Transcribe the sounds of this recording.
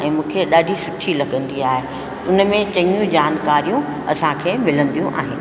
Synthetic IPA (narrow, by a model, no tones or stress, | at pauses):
ɛ̃ːmũːkʰeɗaːɖʱisʊʈʰilɐɠə̃nd̪iaːɦe | ʊnəmẽt͡ɕɐ̃ɲũd͡ʑaːnkaːɾijũ | ɐsãkʰeːmɪlə̃nd̪ijũʔa̰ːɦɪnɪ̆